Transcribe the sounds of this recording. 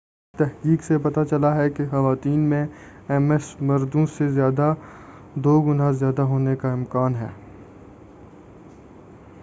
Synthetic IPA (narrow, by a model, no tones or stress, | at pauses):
t̪ɛɦkiːksepɐt̪at͡ʃɐlaɦɛkexɐʋaːt̪iːnmẽ | ɛmɛsmɐɾd̪õsezjaːd̪a | d̪oːɡʊnazjaːd̪aɦoːnekaɪ̃mkaːnɦɛ̰ː